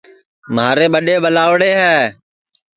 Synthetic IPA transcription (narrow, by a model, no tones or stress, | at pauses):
mɦaːɾeːɓəɗeːɓəlaːʋɽeːɦɛː